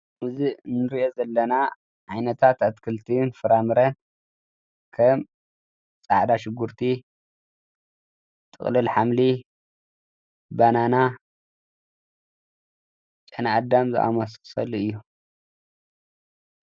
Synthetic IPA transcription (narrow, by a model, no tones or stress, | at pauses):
mɨzinːɨɾiʔo̞zɐlːɐna | ʕajnɐt̪ʰat̪at̪kʰɨlt̪ʰinfɨɾamɨɾɐn | kʰɐm | t͡sʼaʕd̪aʃɪɡːuɾt̪ʰi | t̪ʼɨ̰χʼlɨlħamli | banana | t͡ʃʼɐnaad̪amzɨ̰ʔa̰mɐssɐ̰luɨjːu